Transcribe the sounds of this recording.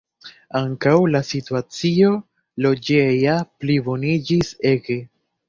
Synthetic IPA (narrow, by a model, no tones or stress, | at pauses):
aŋkawlasituat͡sio̞ | lo̞d͡ʒejaplibo̞nid͡ʒise̞ɡe̞